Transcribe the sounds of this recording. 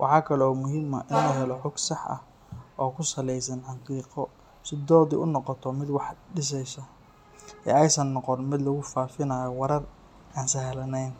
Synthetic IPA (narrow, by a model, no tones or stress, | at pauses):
wʔɑ̰ħɑːkʰɐlɛɔːmʊɦɪmɐ̰ʔɪnʊɦɛlɔħʊɡsɑħɐ̰h | ʔɔːkʰʊsɐlɛjs̬ɐnħɑqiːqɔ | sɪd̪ɔːd̪ḭʔʊnɔqɔt̪ʰɔmɪd̪wɑħɖɪs̬ɛjsɐ | ʔɛ̰ɛjsɐnːɔqɔnmɪd̪lɐɣʊfaːfɪnaːjɔwɐɾɐr | aːnsɐɦɛlɐnɛjn